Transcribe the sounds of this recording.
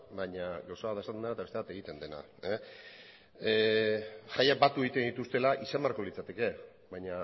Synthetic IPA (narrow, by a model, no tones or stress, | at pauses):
baɲaɡawsaβat̪etanneat̪aest̪eat̪e̞ɣ̞it̪e̞nd̪e̞na̰ | e | ʝajak̚bat̪ue̞ɣit̪e̞nd̪it̪ust̪e̞laʔisemaɾko̞lit͡sat̪e̞ke̞ | βajɲa